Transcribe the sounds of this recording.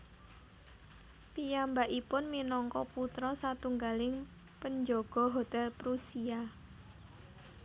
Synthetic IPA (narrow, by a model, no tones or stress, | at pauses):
pijambaʔipʊnminɔŋkɔput̪ɾɔsat̪uŋɡalɪŋ | pəɲd͡ʒɔɡ̥ɔ̤ɦot̪ɛlpɾusia